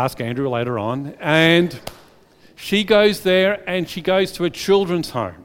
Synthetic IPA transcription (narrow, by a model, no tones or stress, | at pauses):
æskæ̃ndɹʉleɪɾə˞ə̃nɨ̃n | ʃiɡoʊzðə˞ɨ̃nʃiɡoʊz̥tʰəɨt͡ʃʰɪlˠdɹɨ̃nz̥hõ̰ʊ̃m